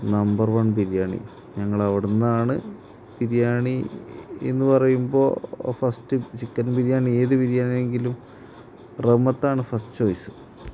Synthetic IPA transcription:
nɐmbɐrʋɐɳpiɾijaːɳḭ | ɲɐŋːɐɭɐʋiɽunːaːɳɨ | piɾijaːɳiḛnːɨpɐrɐjumbo̞̰ːfɐstɨt͡ɕikːɐnpiɾijaːɳie̞ːðɨpiɾjaːɳine̞ŋɡilum | remːɐt̪ːaːɳɨfɐstt͡ɕoːjsɨ̥

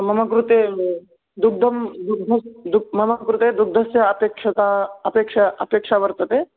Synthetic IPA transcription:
mɐmɐkɾut̪e | d̪uɡ̚d̪ʱɐmd̪uk̚d̪ʱɐsd̪umɐmɐkɾut̪ed̪uɡ̚d̪ʱɐsjɐɐpeːkʂɐt̪aɐpeːkʂaɐ̰peːkʂaʋɐɾt̪ɐt̪e

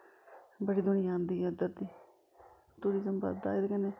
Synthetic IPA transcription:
bəɽiːd̪ʊnɪjãːnd̪iːəd̪əɾd̪iː | t̪uːɾizəmbə̰d̪a̰ːɪd̪ekɛneː

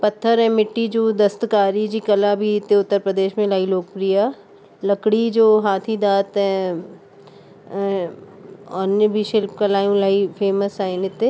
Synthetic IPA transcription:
pɐt̪ʰːəɾɦɛ̃ːmɪʈːid͡ʒoːd̪ɐst̪kaːɾid͡ʒikɐlabʱit̪eʊt̪ːəɾpɾəd̪eːʃmẽlaːiloːk̚pɾija | lɐkɽid͡ʒoːɦaːt̪ʰid̪aːt̪ɦɛ̃ | ɔːnjəbʱiʃɪlpkɐlaːjũlaːipʰeːməsaːɪnɪt̪e

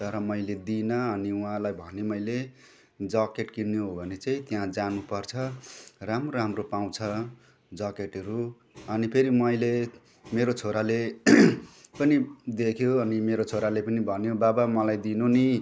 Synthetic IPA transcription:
t̪ʌɾʌmʌjled̪inʌːniũɦãlajbʱʌnemʌjle | d͡zʌkeʈkinːeɦobʱʌnet͡saĩt̪jãd͡zanupʌrt͡sʰʌramroɾamropaw̃t͡sʰʌ | d͡zʌkeʈʌɾu | ʌnipʰeɾimʌjle | meɾot͡sʰoɾale | pʌnid̪ekʰjoʌnimeɾot͡sʰoɾalepʌnibʱʌnjobabamʌlajd̪inoni

